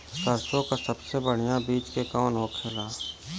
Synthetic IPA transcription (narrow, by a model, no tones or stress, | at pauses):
səɾsõkasəbsebəɽ̤ɪjãbiːt͡ʃkekaːnɦoːkt͡ʃʰəlaː